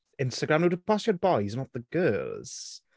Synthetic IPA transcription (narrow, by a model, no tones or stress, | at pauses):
ɪ̃nstəɡɹãmnoʊɾəpʰɔsjəbɔɪzə̃nat̪̚ðəɡ̥ɜːlˠz̥